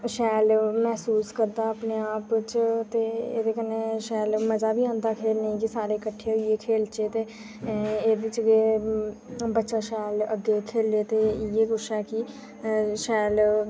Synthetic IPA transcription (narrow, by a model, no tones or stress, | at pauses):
ʃɛːlmɛːsuːskəɾd̪aːəpneːaːpt͡ʃt̪eːeːd̪eːkəneːʃɛːlməzaːbʱiːãːnd̪aːkʰeːlnəĩkɪsaːɾeːkəʈʰːeːɦʊieːkʰeːlt͡ʃeːt̪eː | eːd̪ɪt͡ʃɡeː | bətːʃaːʃɛːləɡːeːkʰeːlːeːt̪eːeːkʊt͡ʃʰɛːkɪ | ʃɛːl